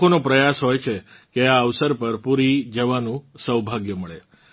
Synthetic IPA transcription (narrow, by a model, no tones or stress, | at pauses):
onopɾəjasɦojt͡ʃʰekeaəʋsəɾpəɾpuɾid͡ʒəʋanũsəwbʱaɡjəməɭe